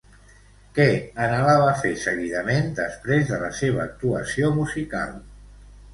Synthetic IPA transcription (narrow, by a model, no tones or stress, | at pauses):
kɛənəlaβəfesəɣiðəmend̪əspɾezðələseβ̞əːk̚t̪uəsiomuzika̰lˠ